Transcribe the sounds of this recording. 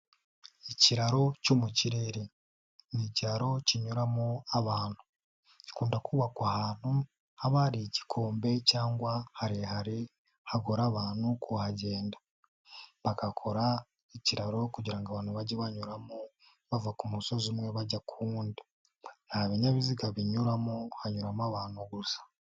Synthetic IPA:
iciɾaɾo̞cumuciɾeɾe | niciɾaɾo̞ciɲuɾamoaβaːn̥hu̥ | ci̥kuːndakʰuβakwahaːn̥hu | haβaɾici̥kʰo̞ːmbe̞caːŋɡwahaɾihaɾi | haɡoɾaβaːnhukʰuhaɟe̞ːndḁ | βakakʰo̞ɾa | iciɾaɾo̞kuɟiɾaŋɡaβaːnuβaɟeβaɲuɾamo | βavakumuso̞zumwe̞βaɟakʰuːndi | naaβeɲaβiziɡaβiɲuɾamohaɲuɾamaβaːnhuɡusḁ

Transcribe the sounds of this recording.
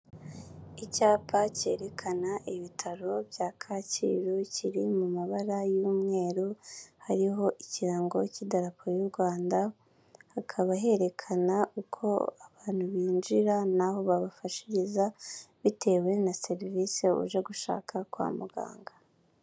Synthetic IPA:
icaːpʰace̞̰ɾe̞kʰanaʔiβitʰaɾo̞bjaːkʰaːcḭɾuciɾimumaβaɾajuːmŋe̞ːɾuhaɾiɦo̞ʔiciɾaːŋɡo̞cidaɾapʰojuɾɡwaːnda | hakʰaβaɦe̞ɾe̞kʰanaʔukʰo̞̰aβaːn̥huβiːnd͡ʒiɾanaɦo̞βaβafaʃi̥ɾizaβitʰe̞ːwe̞nase̞ɾviːseṵʒe̞ɡuʃa̰ːkʰakwa̰ːmuɡa̰ːŋɡa

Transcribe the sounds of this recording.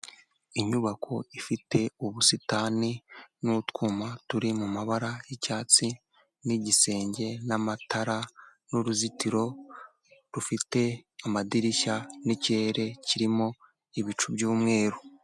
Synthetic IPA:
iɲuβakʰo̞ifite̞uβusitaninutkuːmatuɾimumaβaɾajecaːt͡si | niɟise̞ːɲɟe̞namatʰaɾanuɾuzitiɾo̞ | ɾufite̞amadiɾiʃanicie̞ɾe̞ciɾimo̞ | iβit͡ʃubɟuːmŋe̞ːɾu

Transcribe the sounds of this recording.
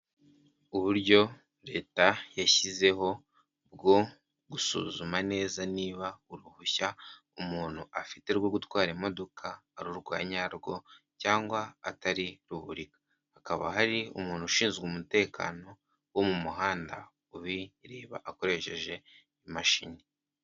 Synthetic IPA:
uβuɾɟo̞ | ɾe̞ːtajaçize̞ɦo̞ | bɡo̞ | ɡusṵːzumane̞ːzaniːβauɾuhuça | umuːn̥huʔafi̥teɾɡoɡutwaːɾemo̞do̞kʰaːɾuɾɡwa̰ːɲaɾɡo̞ | caːŋɡwaːtaɾiɾuβuɾikḁ | hakaβa̰ɦaɾiṵmuːn̥huʃiːnzɡwomute̞ːkʰa̰no̞ | womumuɦaːnda̰ | uβiɾiːβa̰ʔːko̞ɾe̞ʃe̞ʒe̞ | imaʃḭːni

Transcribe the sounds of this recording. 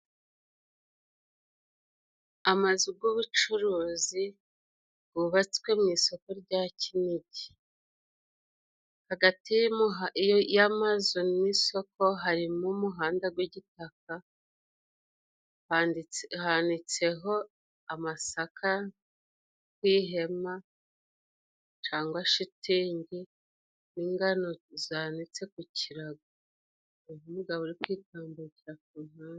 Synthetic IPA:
amazuɡuβut͡ʃuɾuːzi | ɡ̥uβat͡skwe̞mŋiːso̞ko̞ɾɟaːciniɟi̥ | haɡatijajamazoniso̞ko̞ɦaɾimumuɦaːndaɡwiɟitak̚a | andihandit͡se̞ɦo̞ | amasakʰa | kwiːɦe̞ma | t͡ʃaːŋɡwaʃitiːɲɟi | niːŋɡano̞zanit͡se̞kuciɾaɡa | uɦumuɡaβoɾikwiːtaːmbuciɾak̚uːmaːn

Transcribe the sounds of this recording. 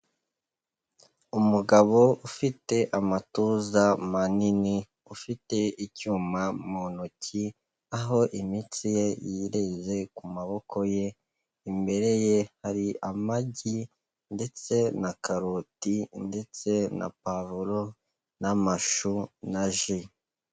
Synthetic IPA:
umuɡaβo̞ufite̞ʔamatuːzamanini | ufite̞icuːmamonuci | aɦo̞ʔimit͡sijejiɾe̞ze̞kumaβo̞ko̞je̞ | imbe̞ɾe̞jehaɾiʔamaɟi | nde̞t͡se̞nakaɾotinde̞t͡se̞na̰pavuɾo | namaʃunaʒi

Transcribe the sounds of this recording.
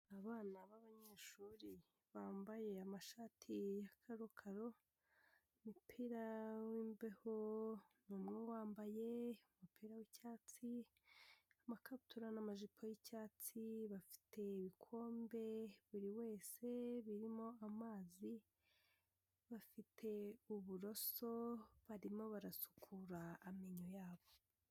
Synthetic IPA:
aβaːnaβaβaɲeːʃuːɾi | βaːmbaje̞amaʃaːtʰijakʰaɾokʰaɾo̞ | mupʰiɾawiːmbehonuːmŋewaːmbaje̞umupʰiɾawicaːt͡si | amakʰatʰuɾanamaʒipʰojicaːt͡siβafi̥tʰe̞iβikʰo̞ːmbe̞βuɾiwe̞ːse̞βiɾimo̞amaːzi | βafitʰe̞uβuɾo̞so̞βaɾimo̞βaɾasu̥kʰuɾaːmiɲojaːβo̞

